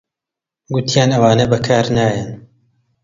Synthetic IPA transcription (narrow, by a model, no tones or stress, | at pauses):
ɡʊt̪ʰijaːnɐwaːnɐbɐkʰaːɾnaːjɐn